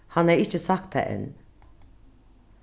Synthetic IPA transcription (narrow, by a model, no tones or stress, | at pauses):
hɑnæːɹɪçəsɑkt̪ʰæ̰ʔɛ̰n